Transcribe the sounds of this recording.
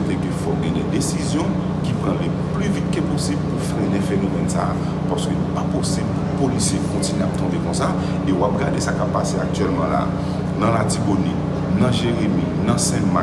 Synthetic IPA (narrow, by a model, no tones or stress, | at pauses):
t̪ɛkøfɔkɡɛ̃dɛd̪esizjɔ̃ | kipʁãle | plyvit̪̚keposibpufɛ̃lɛfenomɛnsa̰ː | paʁskøilɛpaposib | polisjekɔ̃t̪ineap̚t̪ɔ̃bekɔ̃sa | ewap̚ɡadesakapːaseak̚tɥɛlmãla̰ː | nãlatiboni | nɐ̃ʒeʁemi | nãsɛ̃ma